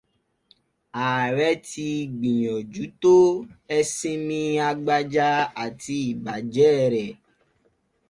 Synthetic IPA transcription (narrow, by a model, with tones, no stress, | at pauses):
a˨ɾɛ˦ti˧ɡ͡bĩ˨ɲɔ̃˨d͡ʒu˨˦t̪o˦ɛ˦sĩ˦mĩ˧a˧ɡ͡ba˦d͡ʒa˦a˨ti˧i˨ba˨d͡ʒɛː˦ɾɛ˨